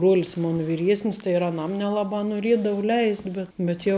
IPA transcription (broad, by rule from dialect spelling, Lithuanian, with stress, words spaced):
bruɔlʲs ˈmoːnɐ ʋʲɪˈrʲiɛsʲnʲɪs tɐɪ ɪr ɐˈnɐm nʲɛˈlˠɑːbɐ noːˈrʲiɛdɐʋʊ ˈlʲɛɪsʲtʲ ˈbʲɛt bʲɛt jɛʊ